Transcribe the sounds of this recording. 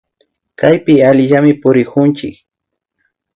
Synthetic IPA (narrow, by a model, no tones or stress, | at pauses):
kajpɪaʎɪʒamɪpʊɾɪkʊnt͡ʃɪ̰k